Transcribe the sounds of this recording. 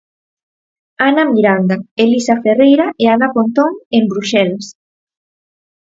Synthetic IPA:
anamiɾand̪aelisaferejɾaeanafont̪oŋembɾuʃɛlas

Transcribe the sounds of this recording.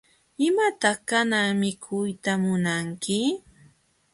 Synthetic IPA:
ɪmat̪ɑχkanaŋmɪkʰʊjt̪amʊnaŋkɪ

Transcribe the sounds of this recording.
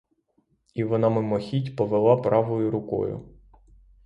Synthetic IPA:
iʋɔnɑmɪmɔxʲitʲpɔʋelˠɑpɾʔɑʋɔjʊɾʊkɔ̰jʊ̰

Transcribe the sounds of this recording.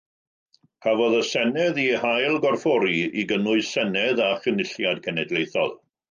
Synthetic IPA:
hʰavɔðəsɛnɛðihajlˠɡɔrfɔɾiiɡənʊɨsɛnɛðaχənɪɬjadkʰɛnɛdlˠejθɔ̰lˠ

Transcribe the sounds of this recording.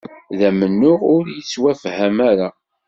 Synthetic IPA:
ðæmənːʊʁʊɾjət͡sːwæfhæmæɾa

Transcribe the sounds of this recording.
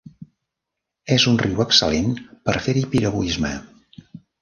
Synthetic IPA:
ɛzunriwəksəlenpəɾfeɾipiɾəβuizmə̰

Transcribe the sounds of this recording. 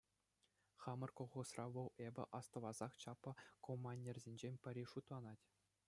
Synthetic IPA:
χɑmɤ̆rkoʁusrɑʋɤ̆lˠebʲɘ̰ʔɑst̪ɤ̆lˠɑz̥ɑχt͡ɕɑpːɤ̆komːɑnʲːerʲzʲenʲd͡ʑenʲpʲɘ̆ɾʲiʂut̪lˠɑnɑtʲ

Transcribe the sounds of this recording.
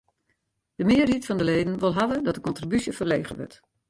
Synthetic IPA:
d̥əmɪːritfɔndəleːdən̩ʋɪlˠɦavədɔtəkɔntribysjəfərleːɣə̰ʋə̰rt

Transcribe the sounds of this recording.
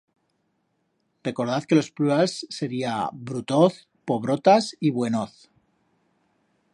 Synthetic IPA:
re̞ko̞ɾð̞aθke̞lo̞splualsːe̞ɾiabɾut̪o̞θ | po̞β̞ɾo̞t̪asiβwe̞noθ

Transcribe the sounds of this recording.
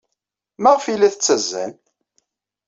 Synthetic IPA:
mæʁfilæθət͡sːæzːæ̰n

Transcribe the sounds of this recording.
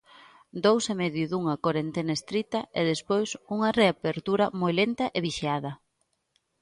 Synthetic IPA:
d̪owsemeðjʊðuŋɐkoɾent̪enɐest̪ɾit̪ɐeðespojsuŋɐreapeɾt̪uɾɐmojlent̪ɐʔeβiʃiað̞ɐ

